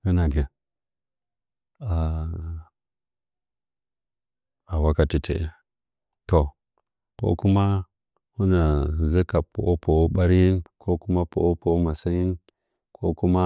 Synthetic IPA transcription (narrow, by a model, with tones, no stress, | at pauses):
u˦na˨ɡe˨ | a˨ | a˨wa˦ka˨ti˨tʰḛ˨ʔ | to˨ | ko̰˦ku˦ma˦ | hu˦na˨zi˦ka˨po̰˨ʔo˦pʰo˨˦ɓa˦ɾji˦nkʰo˦ku˦ma˦po˨o˦po˨˦ma˨sa˦ji˦n | kʰo̰˦ku˦ma˦